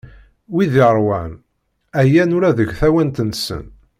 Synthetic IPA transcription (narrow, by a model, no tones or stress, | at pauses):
wiðiɾˤwæ̰n | æjænʊɾæðəɡθæwænt̪ənsə̰n